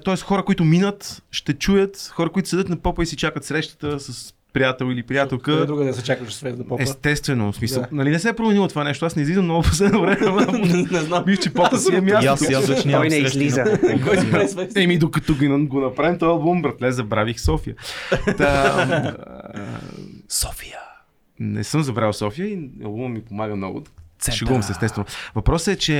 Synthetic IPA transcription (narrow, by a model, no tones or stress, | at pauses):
t̪ɔɛsxɔɾəkoit̪ʊminət̪ʃt̪ɛt͡ʃujət̪xɔɾəkʊit̪ʊsɛd̪ət̪nɐpɔpəisit͡ʃakət̪sɾɛʃt̪ə̥t̪əsɐs | pɾijat̪ɛlˠilipɾijat̪ɛlˠkəd̪ɾuɡəɛsɛt͡ʃakəʃɛsvɛt̪nɐpɔɛst̪ɛst̪vɛnosmisəlˠnɐlinɛsɛːpɾomɛnilˠot̪ovanɛʃt̪oasnɛizvizvəmnɔɡʊpo̥slɛd̪nəvɾɛmɛmnɛznabift͡ʃipɔpəsɛnɐmʲjasat̪ɛʃnɔjnɛiɛlizəkɔjɛɛmid̪okɐt̪ɔɡnɡonɐpɾaimt̪ɔjɐlˠbumbɾɐt̪lɛzɐbɾavixsɔfijət̪ | sɔ̥fi̥jə | nɛ̰sɤmzɐvɾalˠsɔfijəiɐ̰lˠbummːipomaɡəmnɔ̰ɡʊ̰d̪sɛʃɛɡuɐmsɛst̪ɛst̪vɛnovɐpɾɔsəɛt͡ʃɛ